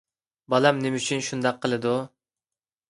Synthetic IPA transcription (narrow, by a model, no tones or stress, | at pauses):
bɑlˠɑmnemyt͡ʃʰynʃund̪ɑqʰːəlˠɨd̪u